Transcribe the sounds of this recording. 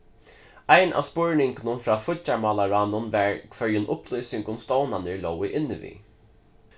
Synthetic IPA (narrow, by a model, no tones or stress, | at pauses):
ajnʔa̰ːspʊɹnɪŋknʊnfɾaːfʊt͡ʃːamɔːlaɹaːnʊnvɛɹkʰvœɹjʊnʔʊplɔjsɪŋkʊmst̪ɔwnanəɹlɔwɪʔɪnːɪvḭ